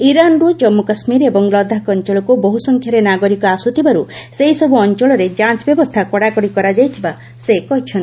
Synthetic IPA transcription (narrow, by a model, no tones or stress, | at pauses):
iɾanɾud͡ʒɔmːukasmiɾebɔŋlɔd̪ʱakɔnt͡ʃɔɭɔkuboɦusɔŋkʰjaɾenaɡɔɾikɔasut̪ʰibaɾuseɦisɔbuɔnt͡ʃɔɭɔɾed͡ʒat͡ʃbjɔbɔst̪ʰakɔɽakɔɽikɔɾad͡ʒajt̪ʰiba | sekɔɦit͡ʃʰɔnt̪i